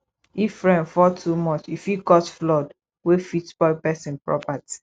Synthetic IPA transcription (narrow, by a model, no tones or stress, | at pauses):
ifɹɛ̃nfɔtʰumɔt͡ʃifjikɔtflɔd | wefitb̥ɔpɛsĩnpɹɔ̰pati̥